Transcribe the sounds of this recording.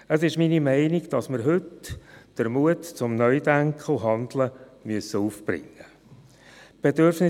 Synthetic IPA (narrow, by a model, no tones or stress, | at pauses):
əsɪʃminimɛɪniɡd̥ɑsməɾɦʏtd̥əɾmuətt͡sʊmnœʏdæŋkχl̩ɦɑnd̪ləmyəsəuːfb̥ɾɪ̰ŋːə | b̥edøɾfnɪ